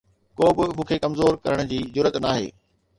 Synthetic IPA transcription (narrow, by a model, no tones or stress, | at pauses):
koːbɪmũːkʰekɐmzoːɾkɐ̰ɾəɽ̃d͡ʑiːd͡ʑʊɾət̪naːɦḛː